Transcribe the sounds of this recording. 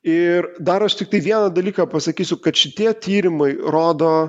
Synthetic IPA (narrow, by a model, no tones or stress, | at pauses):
ɪrd̪ɐɾɐʃt̪ʲɪk̚t̪ɐɪʋʲiɛnɐd̪ɐlʲiːkɐːpɐsɐkʲiːsʲʊkɐt̪ʃʲɪt̪ʲiɛt̪ʲiːɾʲɪmɐɪɾoːd̪oː